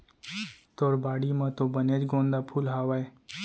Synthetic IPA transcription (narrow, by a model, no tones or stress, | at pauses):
t̪oːɾbaːɽimãt̪obəned͡ʒɡõːnd̪aːpʰulɦaːʋae